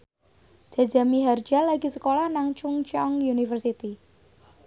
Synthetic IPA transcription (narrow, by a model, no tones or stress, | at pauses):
ʒ̥a̤d͡ʒa̤miɦard͡ʒalaɡi̤səkolahnaŋt͡ʃuŋt͡ʃɔŋjunifərsit̪i